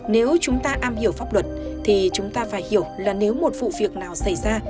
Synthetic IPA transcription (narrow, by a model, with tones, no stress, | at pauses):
ne˨˦wt͡ɕʊ˨˦ŋ͡mt̪aː˧ʔaː˧mhi˧˩əwfa˦˥p̚lwə˨˩t̚t̪ʰi˨˩t͡ɕʊ˨˦ŋ͡mt̪aː˧faː˧˩jhi˧˩əwlaː˨˩ne˨˦wmo˨˩t̚vṵ˧˨vi˨˩ək̚naː˨˩wsa˧˩jzaː˧